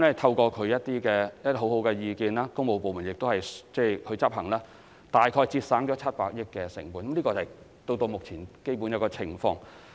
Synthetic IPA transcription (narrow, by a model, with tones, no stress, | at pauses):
mlɛ˥t̪ʰɐ˧wkɔː˧kʰɵ˨˧ɥjɐ˥t̪̚iː˥kɛː˧jɐ˥t̪i˥ho˨˥wɦo˨˥wkɛ˧jiː˧kiː˨˧nlaː˥kʊ˥ŋmo˨˧wpo˨wmu˨˩njɪ˨k̚t̪o˥whɐ˨jt͡sɛː˥˧˩kʰɵ˨˧ɥt͡sɐ˥p̚hɐ˨˩ŋlaː˥ | t̪aː˨jkʰɔː˧jt͡siː˧t̚saː˨˥ŋt͡ʃɔ˨˥t͡sʰɐ˥t̚paː˧k̚jɪ˥kkːɛː˧sɪ̰˨˩ŋpuː˨nkɐ˨˦mliː˥kɔ˧t͡sː | t̪o˧wt̪o˧wmʊ˨k̚t͡sʰiː˨˩nke˥jpu˨˥njɐ˨˧wkɔː˧t͡sʰɪ˨˩ŋfɔː˧ŋ